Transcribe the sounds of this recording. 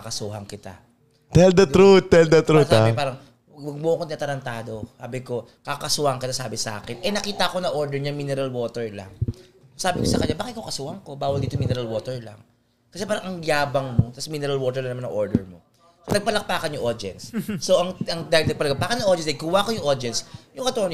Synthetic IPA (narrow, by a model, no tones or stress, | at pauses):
ɐkɐsuːɦɐŋkɪt̪a̰ | t̪ɛld̪ɐt̪ɾut̪̚ːɛld̪ɐt̪ɾutsaapaːɾɐŋ | wɐwɐɡ̚moʔɐkoɪnat̪ɐɾɐnt̪aːd̪o̞saːbɪko̞ | kakɐsʊaŋkɪt̪asaːbɪsɐʔa̰ːkɛnʔɛnɐkiːt̪ɐʔko̞nɐʔoɹd̪ɛɹɲaŋmiːnɛɾɐlwo̞ːt̪ɛɹla̰ŋsaːbɪkosɐkɐɲːabaːkɪt̪̚kokɐsʊʔaŋko̞baːwɐld̪iːt̪ominɛɾɐlwoːt̪ɛɹlɐ̰ŋ | kɐsɛpaːɾɐŋʔɐŋɡaːbɐŋmo̞t̪ɐsminɛɾɐlwoːt̪ɛɹlɐŋnɐmanɐ̰ŋʔoɹd̪ɛ̰ɹmo | nɐɡ̚pɐlɐk̚paːkɐnjʊŋʔod͡ʒɛ̰nsːoʔɐŋɐŋd̪ajɪnɐɡ̚pɐlɐɡapaːkɐnɐʔodɛnsd̪ɐkuːwakojʊŋʔod͡ʒɛnsjʊŋkɐt̪ːɐn